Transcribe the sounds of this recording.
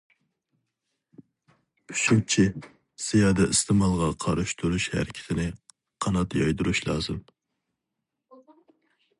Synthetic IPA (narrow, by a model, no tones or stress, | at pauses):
pʰy̥ʃut͡ʃʰi | sejɑːd̪ɛʔist̪ʰɨmɑlˠʁɑqʰɑɾɨʃt̪ʰuɾuʃhæ̰ɾɪkʲʰɪ̥t̪ʰɪnɪ | qʰɑnɑt̪jɑjd̪uɾuʃlˠɑːzɨm